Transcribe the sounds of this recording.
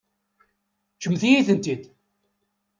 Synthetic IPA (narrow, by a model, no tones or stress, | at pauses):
t͡ʃːəmθijiθənt̪id̪